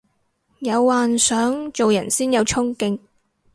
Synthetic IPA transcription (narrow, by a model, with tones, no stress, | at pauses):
jɐ˨˧wːaː˨nsœː˨˥ŋt͡so˨wjɐ̰˨˩nsiː˥njɐ˨˧wt͡ʃʰʊ˥ŋkɪ˧ŋ